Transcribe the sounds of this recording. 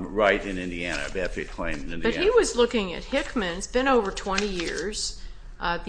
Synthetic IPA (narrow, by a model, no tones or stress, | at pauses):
ɹaɪɾɨ̃nɪ̃ndiænɨ̰bæftə˞ɨ̥kʰl̥ḛ̃ɪ̃mnɪ̃ndb̥ʌt̚hiwʌzlʊkɪ̃ŋɨ̰t̚hɪkmɨ̃nzb̥ɨ̃ñoʊvə˞tʰw̥ɛ̃ñijɪɹz̥ | ʔð